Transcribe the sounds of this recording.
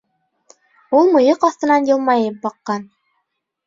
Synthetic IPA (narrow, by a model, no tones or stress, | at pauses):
ulˠmɤ̆jɤqɑθt̪ɤ̆nɑnjɤ̆lˠmɑjɤp̚bɑqːɑn